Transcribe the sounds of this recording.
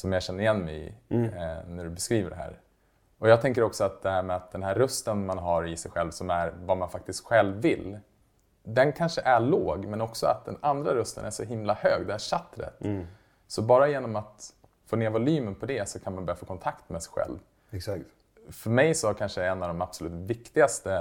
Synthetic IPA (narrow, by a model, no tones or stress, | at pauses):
sɔmjɑɕɛnːəɾɪjɛnːmɛjɪ̰ | næɖɵbɛskɾiːvəɖɛɦæ̰ːɾ | ɔjɑɡt̪ʰɛŋk̬əɾɔksɔat̪̚d̪ɛhæːɾmɛat̪̚d̪ɛnɦæɾːɵst̪ənmanɦaɾɪsɛjɧɛlvsɔmæɾvamanfak̚t̪ɪst̪ɧɛlvːɪlː | d̪ɛnkʰanʂəʔæɭoːɡmɛnɔksɔa̰t̪̚d̪ɛnand̪ɾaɾɵst̪ə̰næʂɔɦɪmlahøːɡd̪ɛæʂat̪ːɾɛ̰t̪ | sɔbɑːɾajeːnɔmat̪ | foːneːɾvʊlyːmənpʰɔd̪ɛsɔkʰanmanbœɾjafoːkʰɔnt̪ʰakt̪mɛsɛjɧɛ̰lv | s | fœɾmɛjsɔkʰanʂəɛnːavd̪ɔmab̥sɔlʉ̟ːt̪vɪkt̪ɪɡast̪ə